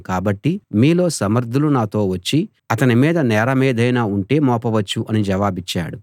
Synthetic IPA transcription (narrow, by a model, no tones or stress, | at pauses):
kaːbɐʈːimiːlo̞ːsɐmɐɾd̪ʱulunaːt̪o̞ːʋɐt͡ʃːi | ɐt̪ɐnimiːd̪ɐnɛːɾɐmiːd̪ʱɐjnaːuɳʈe̞ːmɔːpɐʋɐt͡ʃːuʔɐnid͡ʒɛʋaːbit͡ʃːa̰ːɽu